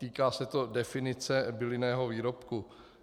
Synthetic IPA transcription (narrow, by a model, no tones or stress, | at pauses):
t̪iːkaːsɛt̪o̞dɛfɪnɪt͡sɛbɪlɪnɛːɦo̞viːɾo̞pku